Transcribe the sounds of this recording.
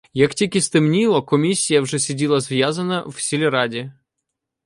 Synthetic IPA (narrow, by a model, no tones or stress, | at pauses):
jaktʲikʲist̪ɨmnʲilˠɔkɔmʲisʲːijɐvʐɛsʲɪdʲilˠɐzvʲjazənəfsʲɪlʲɪɾadʲɪ